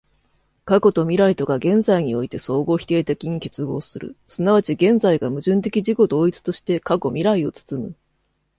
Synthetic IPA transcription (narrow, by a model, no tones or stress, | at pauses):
kako̞t̪o̞mʲiɾait̪o̞ɡaɡẽ̞nzaiɲ̟io̞it̪e̞so̞ːɡo̞ːçʲi̥t̪e̞ːt̪e̞kʲiɲ̟ike̞t͡sɨɡo̞̰ːsɨɾɯ̟̰sɨnaβ̞at͡ɕiɡẽ̞nd͡zaiɡamɯ̟ʑɨ̃nt̪e̞kʲiʑiko̞d̪o̞ːit͡sɨ̥t̪o̞ɕi̥t̪e̞kako̞mʲiɾaio̞t͡sɨ̥t͡sɨmɯ̟